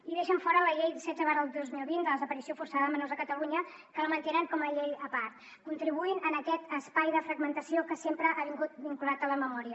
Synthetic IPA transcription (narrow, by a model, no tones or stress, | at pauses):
iðeʃəɱfɔɾələʎejðisɛd͡zəβaɾəlˠd̪ozmilˠβind̪ələzəpəɾisiofursaðəəmənozəkət̪əluɲə | kələmənt̪enəŋkɔməʎejəpaɾt̪ | kunt̪ɾiβuinənəkɛt̪əspajðəfɾəɡmənt̪əsiokəsempɾəʔaβiŋɡut̪̚biŋkulat̪ələməmɔɾiə